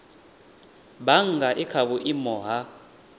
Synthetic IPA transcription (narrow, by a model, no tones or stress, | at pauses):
ɓaŋɡaʔikʰaɓuʔimɔːɦa